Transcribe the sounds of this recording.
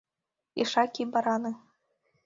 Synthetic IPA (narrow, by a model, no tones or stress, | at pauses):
ḭʂɑkʲibɑɾɑnɤ